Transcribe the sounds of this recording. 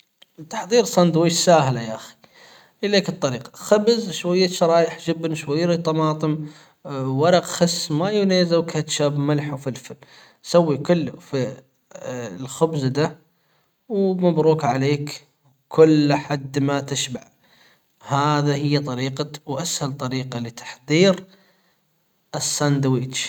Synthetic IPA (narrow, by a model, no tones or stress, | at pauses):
t̪ḁħðˤiːɾsˤɑnd̪weʃsaːhlajaʔaxi̥ | ʔɪleːkɨt̪ˤːɑɾiːqɑ̥xabzʃwajːaʃɑɾˤɑːjɪħd͡ʒɪbnʃwajːaɾit̪ˤɑmɑːt̪ˤɨm | wɑɾˤɑqxasːmajʊneːzawkat̪ʃaːbmalħwfilfɪl | sawːikʊlːfi | lxʊbzd̪a | wmabɾuːkʕaleːk | w | kʰʊlːħad̪ːmat̪ɪʃbaʕ | haːðahɪjːt̪ˤɑɾiːqɑwʔashalt̪ˤɑɾiːqɑlit̪ḁħðˤiːɾ | ɪsːand̪awiːt͡ʃ